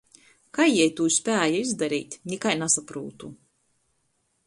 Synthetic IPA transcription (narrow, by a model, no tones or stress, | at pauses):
kajɛjt̪uːsʲpʲæːjaizd̪aɾḭːt̪ʲnʲikajnasapɾṵːt̪u